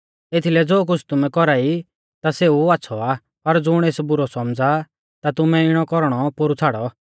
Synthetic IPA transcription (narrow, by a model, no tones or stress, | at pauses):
et̪ʰilɛd͡zoːk̬ʊt͡sʰt̪ʊmɛ̃kɔɾaːi | t̪aseːuaːtːsʰɔaː | pɐɾd͡zʊɽ̃eːsbʊɾɔsɔmd͡za | t̪at̪ʊmɛ̃ɪɽ̃ɔkɔɾɽ̃ɔpoɾut͡sʰaːɽɔ